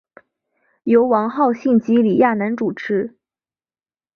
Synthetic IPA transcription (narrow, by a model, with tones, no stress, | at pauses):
jo˧˥ʊwɑ˧˥ŋxɑ˥˧ʊɕi˥˩nt͡ɕi˧˥li˨˩ja˥˩na˧˥nʈ͡ʂu˨˩ʈ͡ʂʰɻ̩˧˥